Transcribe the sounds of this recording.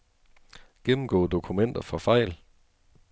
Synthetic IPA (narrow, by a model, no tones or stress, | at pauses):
ɡ̥emm̩ɡ̥ɔ̰ːd̥o̝kʰumen̰d̥ɐfɒ̽fɑ̈ɪ̰l